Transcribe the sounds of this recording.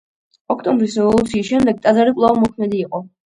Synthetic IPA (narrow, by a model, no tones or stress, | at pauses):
ɔkʰt̪ʼɔmbɾisɔɔlˠɔt̪sʰiːsʃɛmd̪ɛɡ̚t̪ʼad̪zaɾipʼlˠavamɔkʰmɛd̪iːqʼɔ